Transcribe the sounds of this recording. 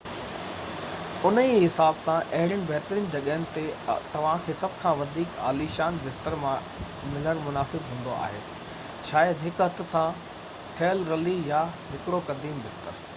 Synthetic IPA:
ʊniɦɪsaːbsãʔɐɦɪɾjəñɪ̆bɛɦɪt̪ɾiːnd͡ʑɐɠəɦənɪ̆t̪et̪ɐʋ̤ãkʰeːsɐbʱkʰãʋɐd̪ʱiːka̰ːliʃaːnbɪst̪əɾmã | mɪləɽ̃mʊnaːsɪbɦũːn̆d̪oa̰ːɦḛː | t͡ɕʰaːjəd̪ɦɪkɦɐt̪ʰsã | ʈʰeːəlɾɐlijaɦɪkɽokɐd̪iːmbɪst̪əɾ

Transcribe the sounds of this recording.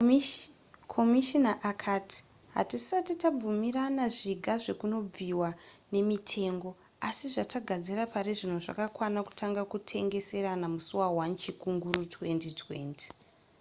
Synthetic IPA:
kʰomiʃinaʔakʰaːti̥ | ɦa̰tisatitab͡vumiɾanaʐiɡʱaʐe̞kuno̞b͡viwane̞mitʰe̞ːŋɡo̞ | asiʐataɡʱad͡zirapaɾiʐino̞ʐa̰kakwanaku̥tʰaŋɡakutʰe̞ŋɡe̞se̞ɾanamusuwawant͡ʃikuŋɡurutʰwe̞ntitʰwe̞̰ːnti̥

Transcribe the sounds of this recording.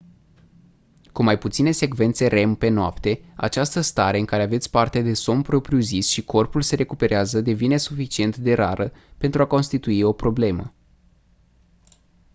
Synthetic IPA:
kumajput̪sine̞se̞kve̞nt̪se̞ɾe̞mpe̞noapt̪e̞a̰t͡ʃast̪əst̪aɾe̞ɨŋkaɾe̞ave̞t̪sʲpart̪ed̪e̞so̞mpɾo̞pɾiuzisʃikʰo̞rpulse̞ɾe̞kupe̞ɾeazəd̪e̞vine̞sufit͡ʃie̞nt̪d̪e̞ɾaɾʔəpe̞nt̪ɾuako̞nst̪it̪uio̞pɾo̞ble̞mə̰

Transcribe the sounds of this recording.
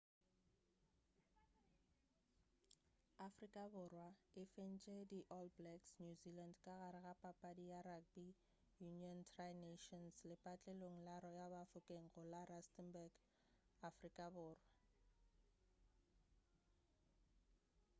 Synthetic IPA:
afrikʼabʊrwaɪfen̩t͡ʃʼediʔɔlblɛksnjuzilandkʼaɣaɾɪɣapʼapʼadiaɾabi | juniɔntʰraneʃɔnslɪpʼat͡ɬʼeloŋ̩laɾɔjabafʊkʼeŋ̩ɣʊlaɾastʼɛnbaɡ | afrikʼabʊːrwa

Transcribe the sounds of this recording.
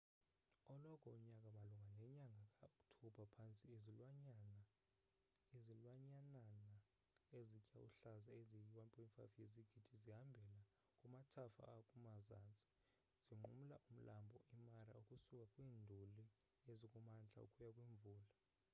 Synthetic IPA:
ɔlɔkʰɔuɲakʼamaluŋɡʱanɛɲaŋɡʱakʼaokʼtʰub̥ʱapʰant͡sʼizn | izilwaɲanana | ezicʼawuɬazaezijwanpʼɔnfa̰feziɡ̥ʱid̥ʱiziɦambʱɛla | kʼumatʰafa̰ːkʼumazaːnt͡sʼi̥ | z̥iŋ͡ǃum̩laʔum̩lʔambʱɔʔimaɾa̰ukʼusukʼakʼwiːndʱuli | ezikʼumand͡ɮʱa̰ṵkʼujakʼwiːɱvuːla

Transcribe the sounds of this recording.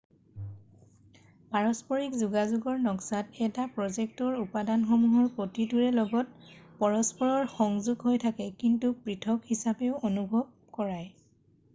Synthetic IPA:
paɹɔspɔɹikzuɡazuɡɔɹnɔksatɛtapɹɔzek̚tɔɹupadanxɔmuɦɔɹpotituɹɛlɔɡɔt̚pɔɹɔspɔɹɔɹxɔŋzuɡɦojtʰakɛkintupɹitʰɔkhisapeʊonubʱɔb̚kɔɹaj

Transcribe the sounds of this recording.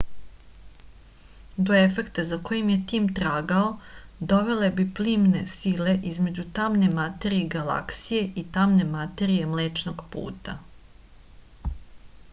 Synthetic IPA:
d̪o̞e̞fe̞kt̪azako̞jimje̞t̪iːmt̪ɾaːɡao̞d̪o̞ʋe̞le̞bipliːmne̞sile̞ʔizme̞d͡ʑut̪amne̞mat̪e̞ɾieɡala̰ksije̞ʔit̪amne̞mat̪e̞ɾije̞mleːt͡ʃnoɡpṵːt̪a

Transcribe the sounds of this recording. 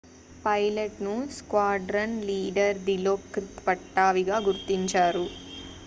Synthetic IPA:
pɐjlɐʈnuskwaːɖɾɐnliːɖɐɾd̪iloːkːɾit̪pɐʈːaːʋiɡaːɡuɾt̪iɲt͡ʃaːɾu

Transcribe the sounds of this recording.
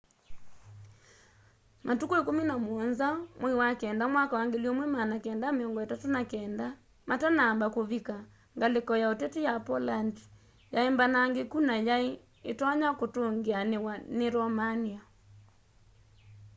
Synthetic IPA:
mʔatukoekominamoɔnzamwiwakɛːndamwakawaŋɡeliɔmwɛmanakɛːndameɔŋɡɔetatonakɛːnda | matanaːmbakoβika | ŋɡalekɔjaotɛtejapɔlandi̥ | jaembanaŋɡekunajae | etwaɲakotoŋɡeanewaneɾɔmania

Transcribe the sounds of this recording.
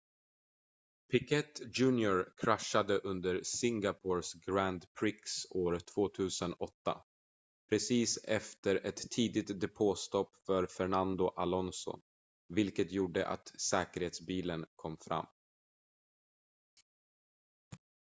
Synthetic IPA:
pʰɪkʰɛt̪ːd͡ʒʉ̟ːnjʊɾkʰɾaʂːad̪əʔɵnd̪əɾsɪŋɡapʰoːɾsɡɾænd̪pʰɾɪksoːɾt̪ʰv̥oːt̪ʰʉ̟ːsənɔt̪ːa̰ | pʰɾɛsiːsɛft̪əɾɛt̪ʰːiːd̪ɪt̪d̪ɛpʰoːst̪ɔpːfœɾfɛɳand̪ʊʔalɔnsɔ̰ | vɪlkət̪juːɖə̰ʔa̰t̪sɛːkəɾheːt̪sbiːlənkʰɔmːfɾa̰mː

